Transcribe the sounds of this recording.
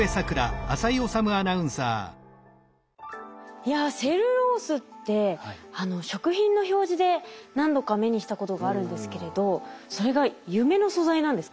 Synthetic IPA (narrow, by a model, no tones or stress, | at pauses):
e̞sakɯ̟ɾaːsaio̞samɯ̟anaɯ̟̃ɰ̃sa̰ː | jase̞ɾɯ̟ɾo̞ːsɨt̪ːe̞ano̞ɕo̞kɯ̟çĩnːo̞ço̞ːʑid̪e̞nãnd̪o̞kame̞ɲ̟iɕi̥t̪ako̞t̪o̞ɡaːɾɯ̟̃nd̪e̞sɨ̥ke̞ɾe̞d̪o̞so̞ɾe̞ɡajɯ̟me̞no̞so̞zainãnd̪e̞sɨ̥